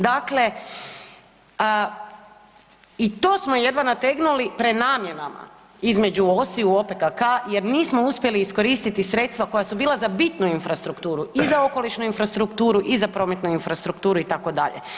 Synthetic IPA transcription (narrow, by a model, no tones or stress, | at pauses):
d̪akle̞ | it̪o̞ːsmoje̞d̪ʋanat̪e̞ɡnulipɾed̪naːmje̞nama̰ | izme̞d͡ʑuosiuopekakaje̞ɾniːsmo̞uspʲje̞liːsko̞ɾiːst̪it̪isɾe̞t̪st̪ʋako̞jasubiːlˠazabit̪nuinfɾast̪ɾukt̪uːɾuʔizao̞ko̞liʃnuinfɾast̪ɾukt̪uːɾuʔizapɾo̞ːme̞t̪nuinfɾast̪ɾukt̪uːɾuit̪ako̞d̪a̰ʎḛ